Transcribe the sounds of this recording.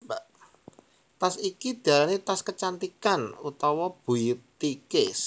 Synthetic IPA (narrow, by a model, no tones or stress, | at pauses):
baʔ | t̪asikid̪̥ä̤lanit̪askət͡ʃant̪ikanut̪ɔwɔb̥ṳjit̪ːikes